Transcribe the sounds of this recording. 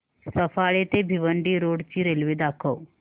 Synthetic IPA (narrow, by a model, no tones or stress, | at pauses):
sɐfʰaːɭet̪ebʱiʋəɳɖiɾoːɖt͡ʃiɾelʋed̪aːkʰəw